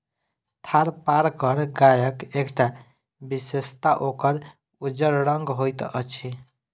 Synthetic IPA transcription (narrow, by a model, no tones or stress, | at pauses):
t̪ʰaɾpaɾkəɾɡajəkekʈa | bisest̪aʔokəɾ | ud͡ʒəɾɾʌŋɡɦojt̪ʔət͡ʃʰi